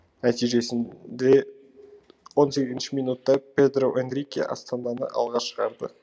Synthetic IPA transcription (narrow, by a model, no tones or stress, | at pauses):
næt̪ijʒe̞sɪnd̪e̞ | wo̞nse̞ɡʲɪzɪnʃɪmijnut̪ːɑpe̞d̪roʔend̪ɾijkʲḭʔɑ̰st̪ɑnd̪ɑnə̰ʔɑ̰lˠʁɑʃəʁɑɾd̪ə̰